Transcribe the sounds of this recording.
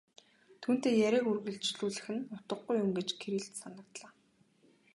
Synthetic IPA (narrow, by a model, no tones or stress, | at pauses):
t̪ʰuːn̥t̪eːjæɾʲiːkurɣɘ̆ɮɬt͡ɕɮuːɮɘ̆xɘ̆nʊt̪ə̆ɢujːʊmɡet͡ɕkʰeɾiːɮt̪sanə̆k̚t̪ɮaː